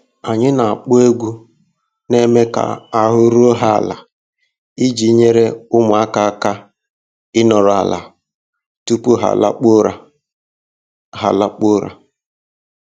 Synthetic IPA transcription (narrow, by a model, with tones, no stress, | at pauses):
a˨ɲɪ˦na˨a˨k͡pʊ˦e˦ɡʷu˦ | ne˦me˦ka̰˨a˨ɦʊ˦ɾʊ˦o˦ɦa˦a̰˨la̰˨ | i˦d͡ʒi˨˦ɲe˦ɾe˦ʊ˦mʊ˨a˦ka˦˨ka˦ | ɪ˦nɔ˨ɾɔ˨a̰˨la̰˨ | tu˦pu˦ɦa̰˨la̰˦k͡po˦ɾa˨ | ɦa˨la˦k͡pʊ˦ɾa̰˨